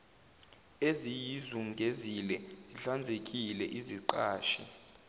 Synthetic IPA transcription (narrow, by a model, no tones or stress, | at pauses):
ezijizuŋɡʱezilɛz̥iɬand͡zʱek̬ʼilɛʔiziǃaːʃi